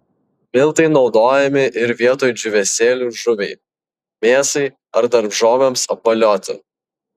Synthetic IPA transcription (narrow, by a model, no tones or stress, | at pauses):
mʲɪlˠˑt̪ɐɪnɒʊd̪oːjɛmʲɪʔɪɾʋʲiɛt̪oːjd͡ʒʲʊʋʲɛsʲeːlʲuːʒʊʋʲɛɪ | mʲeːsɐɪ | ɐɾd̪ɐɾbʒoːʋʲemsɐp̚bɐlʲoːt̪ʲɪ̰